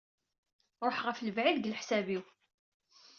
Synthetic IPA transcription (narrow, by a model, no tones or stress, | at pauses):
ɾˤoħʁəfləvʕiðɡəlħsæbiw